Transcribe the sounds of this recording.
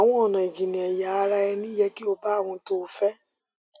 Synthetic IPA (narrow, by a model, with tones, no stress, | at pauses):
a˨w̃ɔ̃˦ɔ˨nã˨i˨d͡ʒi˨nĩ˨ɛ˨ja˨a˨˧ɾa˧ɛ˧nĩ˦jɛ˦ki˦o˧ba˦˨w̃ɔ̃˧to˦˨˦fɛ˦